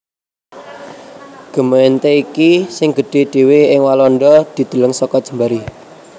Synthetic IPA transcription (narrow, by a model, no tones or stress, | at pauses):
ɡ̥ə̤maint̪eikisɪŋɡ̥ə̤ɖ̥e̤ɖ̥e̤weɪŋwalɔnɖɔd̪̥i̤d̪̥ə̤ləŋsɔkɔd̥ʒ̥ə̤mbaɾi